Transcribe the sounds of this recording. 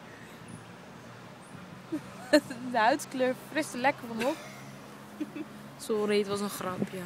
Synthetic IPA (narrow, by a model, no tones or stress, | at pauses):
dəœɥtkløːfrɪstəlɛkəɹvɔnɔp | soɾetʋɑs̬ənχrɑpʰjə